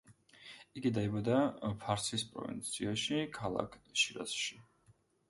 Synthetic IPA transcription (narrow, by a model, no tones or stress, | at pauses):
iɡid̪aibɔd̪apʰaɾsispʼɾɔ̰vḭnt̪sʰiaʃikʰalˠa̰kʰʃiɾa̰sʃi